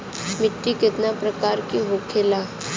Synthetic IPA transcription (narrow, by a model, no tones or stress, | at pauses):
mɪʈːikɪt̪napɾəkaːɾkiɦokʰela